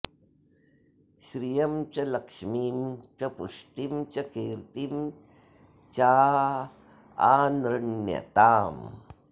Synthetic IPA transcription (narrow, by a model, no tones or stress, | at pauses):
ʃɾijɐmt͡ʃɐlɐkʂmiːmt͡ʃɐpuʂʈimt͡ʃɐkeːɾt̪im | t͡ʃaː | aːnɾɐnjɐ̰t̪aːm